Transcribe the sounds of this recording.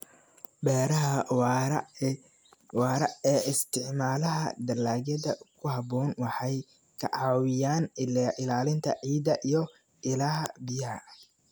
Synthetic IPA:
bɛːɾɐɦɐ | wɾɐɛːɪst̪ʰɪʕmaːlɐɦɐ̰d̪ɐlaːɣɐd̪ɐkʰʊhɑbɔːnwɑħɑj | kʰɐ̰ʕɑːwɪjaːnʔɪlaːlɪnt̪ʰɐ̰ʕiːd̪ɐʔijɞ | ɪlɐɦɐ̰bɪjɐɦɐ̰

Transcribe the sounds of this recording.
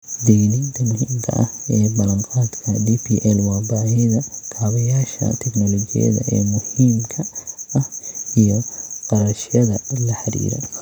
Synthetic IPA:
d̪ɛjniːnt̪ʰɐmʊhiːmkʰɐ̰ʔɐ̰hɛːbɐlɐɴqɑːd̪kʰɐdiːpʰiːʔɛlwɑːbaːɛðɐkʰaːβɐjaːʃɐ̰t̪ʰɛknɔlɔt͡ʃɪ̰jɐ̰ðɐ̰ʔɛːmʊhiːmkʰɐɐhijɔqɑɾɐʃjɐðɐlɐħɐɾḭːɾɔ̰

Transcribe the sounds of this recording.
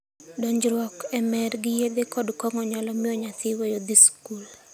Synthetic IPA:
dɔɲd͡ʒɾwɔkɛmɛɾɡɪjed̪ekɔdkɔŋɔɲalɔmɪɔɲat̪ɪwejod̪iskul

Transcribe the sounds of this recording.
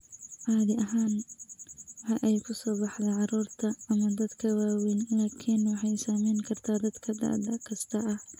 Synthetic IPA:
ʔɑːðɪʔɐɦaːn | wɑħɑʔɛjkʰʊsɔːbɑħðɛʕɑɾuːrt̪ʰɐɐmɐd̪ɐd̪kʰɐwaːwɛjnlaːkʰɪnwɑħɑjsaːmɛjŋkʰɐrt̪ʰaːd̪ɐd̪kʰɐd̪a̰ːd̪ɐkʰɐst̪ʰɐʔɐh

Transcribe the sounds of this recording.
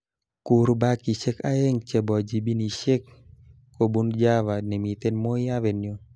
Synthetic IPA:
kuɾbakisekajeŋt͡ʃebɔd͡ʒibinisek̚ː | obund͡ʒawanemit̪enmojawenjo

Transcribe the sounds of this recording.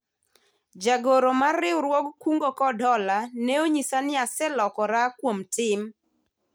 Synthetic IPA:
d͡ʒaɡoɾomarɪwɾwɔɡkuŋɡokɔdɔlanɛoɲisanɪasɛlɔkɔɾakwomtɪm

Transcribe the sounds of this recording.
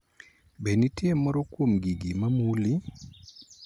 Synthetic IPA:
benitjemɔɾɔkwomɡiɡimamuli

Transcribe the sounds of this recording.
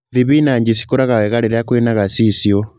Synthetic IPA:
ðiβinaɲd͡ʒisi̥kuɾaɣawɛɣaleɾakwenaɣasisjɔ

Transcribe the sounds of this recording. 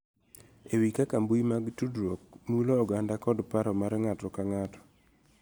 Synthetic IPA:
ewikakambujmaɡtudɾok̚muloːɡandakɔdpaɾɔmaɾɛŋatɔkaŋatɔ̥

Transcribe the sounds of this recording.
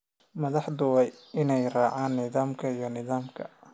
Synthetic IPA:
mɐðɑħd̪ʊwɛjɪnɛjraːʕaːnːɪðaːmkʰɐijɞnɪðaːmkʰɐ̰

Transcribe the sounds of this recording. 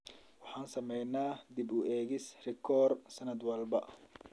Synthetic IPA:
wɑħɑːnsɐmɛjnaːd̪ibʊɛːɣɪsrɛkʰɔːrsɐnɐd̪wɐlbɐ

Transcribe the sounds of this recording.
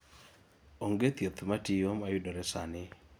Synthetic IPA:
oŋɡet̪jot̪matijomajʊdɔɾɛsanɪ

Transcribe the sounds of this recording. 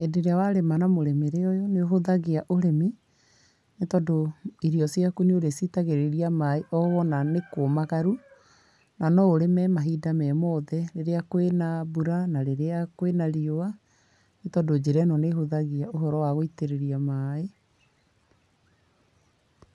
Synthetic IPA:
edeɾeawaɾemanamoɾemeɾeɔjɔneoɦoðaɣiaʔoɾemi | netɔdoiɾiɔsjakunioɾesitaɣeɾeɾiamaeʔɔɣɔnanekomaɣaɾu | nanɔoɾemɛmaɦidamɛmɔðɛɾeɾeakwenabuɾanaɾeɾeakwenaɾioa | netɔdod͡ʑeɾɛnɔneɦoðaɣiaoɦɔɾɔwaɣoiteɾeɾiamae

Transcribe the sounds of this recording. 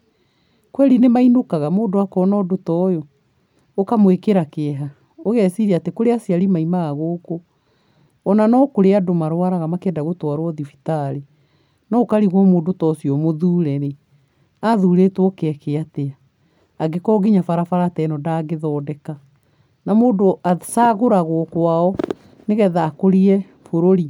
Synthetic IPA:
kwɛɾinemainokaɣamoːdoakɔnɔdotɔjoː | kamwekeɾakeɛɦa | oɣɛsiɾeatekoɾeasiaɾimaimaɣaɣoːkoː | nanɔkoɾeadomaɾwaɾaɣamakɛːndaɣotwaɾwɔðifi̥taɾe | nɔkaɾiɣwɔmoːdotɔsiɔmoðuːɾɛɾe | aðuːɾetwɔkɛkeateaː | ɡekɔɡiɲafaɾafaɾatɛnɔdaɡeðɔːdɛka | namoːdoasaɣoɾaɣokwaɔ | neɣɛðakoɾiɛ | foɾoɾi

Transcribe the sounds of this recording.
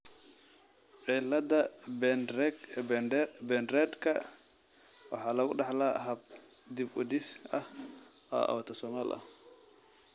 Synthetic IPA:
ʕilɐd̪ɐbɛn | nbɛnɾɛd̪kʰɐ | wɑ̰ħɑːlɐɣʊɖɑħlaːɦɐb̚ | d̪ɪbʊd̪ɪsɐh | ʔɐ̰ʔɐ̰wt̪ʰɐsɔmaːlʔɐ̰h

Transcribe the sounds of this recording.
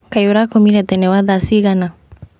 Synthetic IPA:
kajoɾakomiɾɛt̪ɛnɛwaðasiɣana

